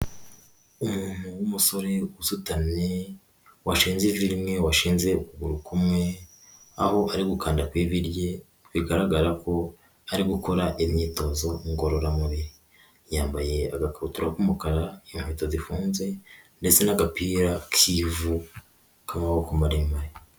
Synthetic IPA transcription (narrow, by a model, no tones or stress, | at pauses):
umuːn̥huwumuso̞ɾe̞uzutane | waʃiːnziviɾimŋe̞waʃiːnze̞ukuɡuɾukumŋe | aho̞ʔaɾiɡukaːndakwiːβiɾje̞ | wiɡaɾaɡaɾako̞ | aɾiɡuko̞ɾaʔimɲiːto̞ːzo̞ŋɡo̞ɾo̞ɾamuβiɾi | jaːmbaje̞aɡakaβutuɾakumukaɾaimheːtazifuːnze̞nde̞t͡se̞naɡapiːɾakʰivu | kaːmahokumaɾimaɾe